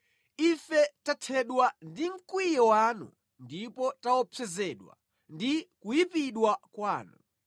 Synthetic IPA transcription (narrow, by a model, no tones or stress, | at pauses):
ifɛtatʰɛɗwandiŋ̩kwijɔwanṵ | ndipɔtawɔpʰɛzɛɗwa̰ | ndikujipiɗwakwaːnṵ